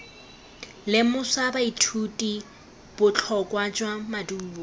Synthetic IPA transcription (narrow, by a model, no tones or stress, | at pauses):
lɪmʊsabaitʰutʼi | b̥ʊt͡ɬʰɔkʼwad͡ʒwamaduɔ